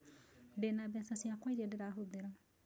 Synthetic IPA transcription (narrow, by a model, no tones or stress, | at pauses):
dɛnabeasasiakojɾiadɛɾaɦud̪ɛɾa